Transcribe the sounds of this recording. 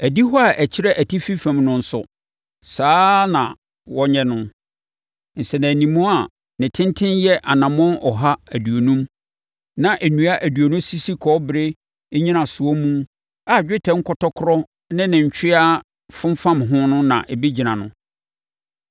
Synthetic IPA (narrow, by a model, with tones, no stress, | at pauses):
æ˨di˦ɦɔ˦a˨ʔæ˨t͡ɕʰɪ˦ɾɛ˦ʔæ˨tʰi˦fi˦fæ̃˨mnʊ̃˦˨n̩˨˦sʊ̰˨ | saː˦nã˨ | wɔ˦ɲɛ̃˨nʊ̃˦ | n̩˨sɛ˨næ̃˨nĩ˨mũ˦a˨ | nɪ̃˨tʰɪ̃˦ntʰɪ̃˦njɛ˦ʔa˨nã˨mɔ̃˦nɔ˨ɦa˦æ˨du˨o˨nũ˦m | nã˨ʔæ˨nũ˨˦a˦ʔæ˨du˨o˨nʊ̃˦si˦si˦kʰɔ˦bɾe˦ | ɲĩ˦nã˨sʊ˨ɔ˦mũ˦ | a˨d͡ʑᶣɪ˦tʰɛ̃˨ŋ̩˦kʰɔ˦tʰɔ˦kʰʊ˦ɾɔ˦ | nɪ̃˦nɪ̃˨ɲ̩˨t͡ɕʰᶣɪ˦a˦ | fʊ̃˦m˦fã˦mɦʊ̃˦nʊ̃˦nã̰˨ʔɛ˨bi˦d͡ʑi˨nã˨nʊ̰̃˦